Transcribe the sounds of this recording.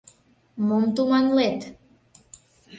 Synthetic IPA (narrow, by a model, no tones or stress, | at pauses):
mont̪umanlet̪